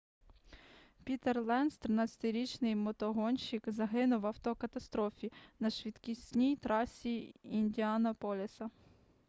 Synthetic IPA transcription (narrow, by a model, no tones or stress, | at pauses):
pʲit̪erlˠɛnst̪ɾɪnɑt͡sʲɐ̥t̪ɪjɾʲit͡ʃnɪjmɔt̪ɔɦɔnʲʃikzɐɦɪnʊwɐwt̪ɔkɐt̪ɐst̪ɾɔfʲinɐʃʋʲit̪kʲisʲnʲijt̪ɾɑsʲiinʲdʲiɑnɐpɔlʲɪsɐ